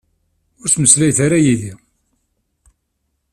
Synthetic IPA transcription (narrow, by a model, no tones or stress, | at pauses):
ʊɾt͡sːməslæjθaɾajiði